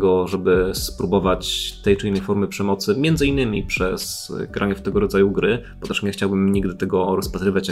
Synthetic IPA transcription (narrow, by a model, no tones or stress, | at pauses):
ɡɔʐɛbɘspɾubɔvat͡ɕt̪ɛjt͡ʂɘinːɛjfɔɾmɘpʂɛmɔt̪sɘmʲjɛnd̪zɘinːɘmʲipʂɛsɡɾʔaɲɛft̪ɛɡɔɾɔd̪zajuɡɾɘpɔt̪ɛʂɲɛxt͡ɕawbɘmɲiɡd̪ɘt̪ɛɡɔɾɔspat̪ɾɘvʲat͡ɕ